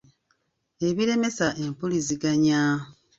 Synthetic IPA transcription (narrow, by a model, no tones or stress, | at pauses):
e̞βiɾe̞me̞saʔe̞mpuliziɡaɲa